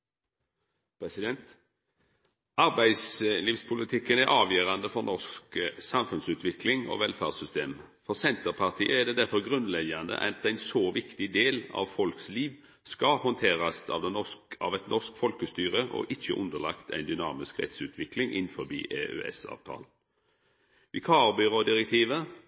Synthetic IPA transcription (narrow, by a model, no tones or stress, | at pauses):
pʰɾɛsɪd̪ɛnt̪ | ɑɾbæɪsliːʋspʰʊlɪt̪ʰɪkːənæɾʔɑːʋjøːɾɑnd̪əfɔɾnʔɔsksɑmfʉnsʉːt̪ʰʋɪklɪŋo̰ʋɛlfæːʁsʏst̪eːm | fɔɾsɛnt̪əɾpʰɑʁt̪ʰḭːəæʁd̪ɛːd̪æɾfɔɾɡɾʉnlɛɡɑnd̪ə̰ʔæ̰t̪æɪnsoːʋɪkt̪ɪd̪eːlɑ̰ʋfɔlksliːʋ | skɑhɔnt̪ʰeːɾɑsɑ̰ʋd̪ɛnɔsɑ̰ʋɛt̪nʔɔskfɔlkəst̪yːɾəʔɔ̰ʔɪçə̰ʔʉ̰nd̪əlɑ̰kt̪ʰæ̰ɪnd̪ʏnɑ̰ːmɪskʁɛ̰t̪sʉːt̪ʰʋɪklɪŋʔɪ̰nfɔbḭːʔeø̰ɛ̰sɑ̰ːʋt̪ʰɑ̰ːl | ʋɪkʰɑːɾbʏʁoːd̪ɪɾɛk̚t̪ʰiːʋə